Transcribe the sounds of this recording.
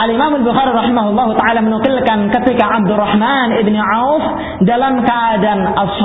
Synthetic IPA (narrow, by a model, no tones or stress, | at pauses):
ʔalimamalbuxaɾiɾˤɑħimaɦulˠˤːɑɦut̪aʕalamənuqɪlkankət̪ikaʕab̚d̪ʊrːɑħmanɪbniʕawf | dalamkəʔadanʔasːɑ